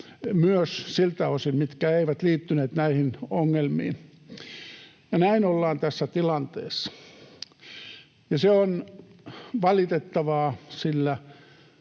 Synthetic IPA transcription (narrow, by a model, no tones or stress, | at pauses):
myøssilt̪æosilmit̪kæːeiʋæt̪liːt̪ːyneːt̪næihinoŋːelmḭːn | jɑnæinolːɑːnt̪æsːæt̪ilɑnt̪ḛːsːɑ̥ | jɑseon | ʋɑlit̪et̪ːɑʋɑːsilːæ